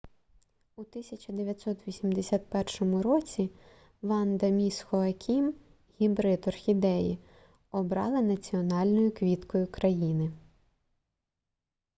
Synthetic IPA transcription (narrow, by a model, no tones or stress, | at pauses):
ut̪ɪsʲɐt͡ʃɐd̪eʋʲjɐt̪ʲsɔt̪ʋʲisʲimd̪esʲɑt̪̚pɛrʃɔmʊɾɔt͡sʲi | ʋɑnd̪ɐmʲisxɔɐkʲʰim | hʲibɾɪt̪ɔrxʲid̪ɛji | ɔbɾɑ̰lˠɪnɐt͡sʲiɔnɑlʲnɔjʊkʋʲit̪kɔjʊkɾɐjinɪ